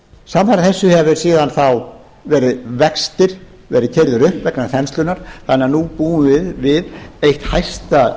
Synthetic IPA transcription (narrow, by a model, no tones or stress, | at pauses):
samfaɾaθɛsːʏhɛvʏ̥siːðanθaw | vɛːɾɪðvɛkst̪ɪɾ̥ | vɛːɾɪðcʰɛɾðʏɾʏhpvɛknaθɛnst̪lʏnaɾ̥θaneːanupuːʏmvɪðvɪðejht̪hajst̪a